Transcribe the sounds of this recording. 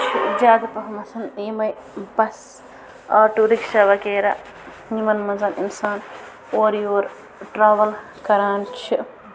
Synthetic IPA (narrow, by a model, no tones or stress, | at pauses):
t͡ʃʰid͡ʒaːd̪pɐkʰɐmɐsʰɐnimɐj | bɐs | ɐːʈuɾikʃɐʋɐkeːɾɐ̰ | nimɐnmɐnzɐnḭnsaːn | oːɾjoːɾ | ʈɾaːʋɐl | kɐɾaːnt͡ʃʰi